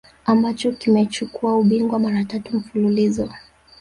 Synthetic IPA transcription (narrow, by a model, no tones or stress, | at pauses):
ambat͡ʃɔkimɛt͡ʃukuauɓiŋɡwamaɾatatum̩fululizɔ